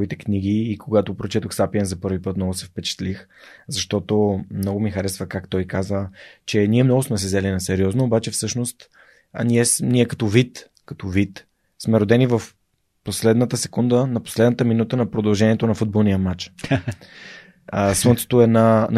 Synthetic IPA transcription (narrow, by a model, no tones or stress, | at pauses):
vit̪ɛkniɡ̟iːkoɡat̪opɾot͡ʃɛt̪oxsapiɛnzɐpɤɾvipɤt̪mnɔɡʊsɛfpɛt͡ʃɛ̥t̪lix | zɐʃt̪ɔt̪omnɔɡʊmixɐɾɛsvəkakt̪ɔjkazət͡ʃɛnʲiɛmnɔɡʊsmɛsɛzɛlinɐsɛɾiɔznoːbat͡ʃɛfsɤʃnost̪ | ɐ̰niɛsniɛkɐt̪ɔvit̪ | kɐ̥t̪ɔvit̪ | smɛɾod̪ɛnivəf | poslɛd̪nət̪əsɛ̥kund̪ənɐpo̥slɛd̪nət̪əminut̪ənɐpɾod̪ɐlˠʒɛniɛt̪onɐfud̪bolˠnijəmat͡ʃ | əsənt̪so̥t̪oɛnan